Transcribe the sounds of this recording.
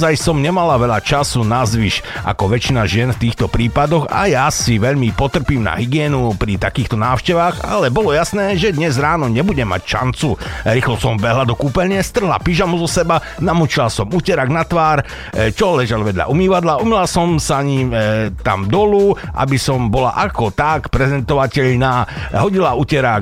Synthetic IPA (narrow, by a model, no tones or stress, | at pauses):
zajsɔmɲɛmalaʋɛʎat͡ʃasunazʋiʃʔa̰kɔʋɛt͡ʃinaʒɪɛnft̪iːxt̪ɔpɾiːpad̪ɔɣa̰jasiʋɛʎmipɔt̪r̩piːmna̰ɦiɡɪɛːnupɾit̪akiːxt̪ɔnaːʊʃcɛʋaːɣa̰lɛbɔlɔjasnɛːʒɛd̪ɲɛzɾaːnɔɲɛbuɟɛmːa̰cʃa̰nt͡suɾiːxlɔsɔmbɛɦlad̪ɔkuːpɛʎɪɛst̪r̩ɦla̰piʒamuzɔsɛba | namut͡ʃilasɔmucɛɾaɡnat̪ʋaːɾ | t͡ʃɔlɛʒalʋɛd̪ʎa̰ʔumiːʋad̪laʔumilasɔmsaɲit̪a̰md̪ɔlu | ʔa̰bisɔmbɔla̰ʔakɔt̪akpɾɛzɛnt̪ɔʋacɛʎnaːɦɔɟilaucɛɾak